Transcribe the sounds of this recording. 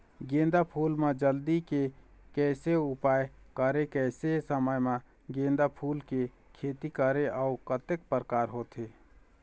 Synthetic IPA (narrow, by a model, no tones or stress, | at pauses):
ɡẽːnd̪apʰuːlmẽd͡ʒəld̪ikekɛːseʊpaːjkəɾekɛːsesəməjmã | ɡẽːnd̪apʰuːlke | kʰeːt̪ikəɾeʔaʊkət̪ek̚pəɾəkaːɾɦoːt̪eː